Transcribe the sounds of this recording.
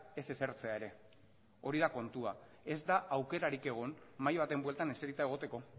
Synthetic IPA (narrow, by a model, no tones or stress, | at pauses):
e̞se̞seɾt͡se̞aeɾe̞ | o̞ɾiðako̞nt̪ua̰ | e̞zd̪aʔawke̞ɾaɾike̞ɣ̞o̞nmajβ̞at̪e̞mbwe̞lt̪ane̞seɾit̪ae̞ɣ̞o̞t̪e̞ko̞